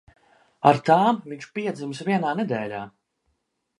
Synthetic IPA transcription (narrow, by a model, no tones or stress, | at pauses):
aɾt̪aːmviɲt͡ʃpiɛd̪zimsviɛnaːnɛd̪ɛːlʲaː